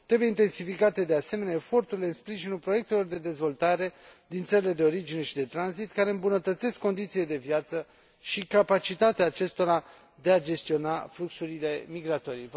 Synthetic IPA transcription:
t̪ɾe̞buje̞int̪e̞nsifikat̪e̞d̪e̞ase̞me̞neaefo̞rt̪uɾileɨnspɾiʒinulpɾo̞je̞k̚t̪e̞lo̞rd̪e̞d̪e̞zvo̞lt̪aɾe̞d̪int̪səɾile̞d̪e̞o̞ɾid͡ʒine̞ʃid̪e̞t̪ɾanzit̪kaɾe̞ɨmbunət̪ət̪se̞skːo̞nd̪it̪siled̪e̞vjat̪sə | ʃikapat͡ʃit̪at̪eaːt͡ʃe̞st̪o̞ɾa | d̪e̞ad͡ʒe̞st̪io̞nafluksuɾile̞miɡɾat̪o̞ɾij

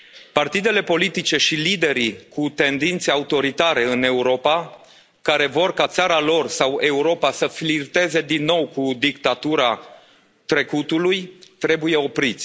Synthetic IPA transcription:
part̪id̪e̞le̞po̞lit̪it͡ʃe̞ʃilid̪e̞ɾikut̪e̞nd̪int̪seaut̪o̞ɾit̪aɾe̞ɨne̞uɾo̞pa | kaɾe̞vo̞rkat̪saɾalo̞rsawe̞uɾo̞pasəflirt̪e̞ze̞d̪inːo̞wkud̪ik̚t̪at̪uɾa | t̪ɾe̞kut̪ulujt̪ɾe̞buje̞o̞pɾit̪sʲ

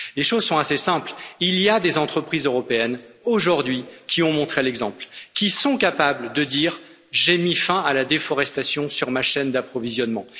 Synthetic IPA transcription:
leʃozsɔ̃t̪asesɛ̃plilijad̪ezɑ̃t̪χəpχizøʁɔpeɛnoʒuʁd̪ɥikʲiɔ̃mɔ̃t̪χelɛɡzɑ̃plkʲisɔ̃kapabləd̪əd̪iʁ | ʒemifɛ̃alad̪efɔʁɛst̪asjɔ̃syʁmaʃɛnd̪apχɔvizjɔnmɑ̃

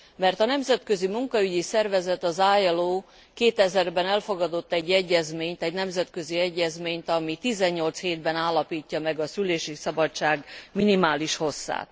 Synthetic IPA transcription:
mɛrt̪ɒnɛmzɛt̪køzimuŋkɒyɟisɛrvɛzɛt̪ɒzaːjɛloː | keːt̪ɛzɛrbɛnɛlfo̞ɡɒd̪o̞t̪ːɛɟːɛɟːɛzmeːɲt̪ɛɟnɛmzɛt̪kø̞ziɛɟːɛzmeːɲt̪ɒmit̪izɛɲːo̞lt̪sheːd̪bɛnaːlːɒpiːcːɒmɛɡɒsyleːʃisɒbɒt͡ʃaːɡminimaːliʃho̞sːa̰ːt̪

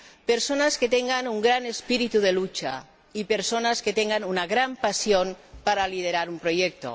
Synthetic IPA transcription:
peɾsonasket̪eŋɡanuŋɡɾanespiɾit̪uðelut͡ʃa̰ | ipeɾsonasket̪eŋɡanunaɣɾampasjonpaɾalið̞eɾaɾumpɾojek̚t̪o̰

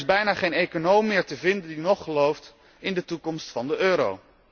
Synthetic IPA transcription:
zbɛjnaːχejnejkonowmɪːɹtəvɪndəndinɔχəlowft | ɪndətukɔmstfɑndəʔøːɾo̰w

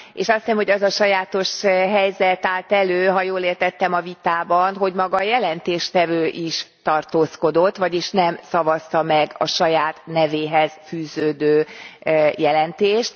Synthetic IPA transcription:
ḛːʃɒst̪isɛmho̞ɟɒzɒʃɒjaːt̪o̞ʃɦɛjzɛt̪aːlt̪ɛløːɦɒjoːleːrt̪ɛt̪ːɛmɒvit̪aːbɒnɦo̞ɟmɒɡɒːjɛlɛnt̪eːʃt̪ɛvøːʔiʃt̪ɒrt̪oːsko̞d̪o̞t̪ːʋɒɟiʃnɛmsɒvɒst̪ɒmɛɡɒʃɒjaːt̪nɛveːɦɛz̥fyːzøːd̪øː | jɛlɛnt̪eːʃt̪

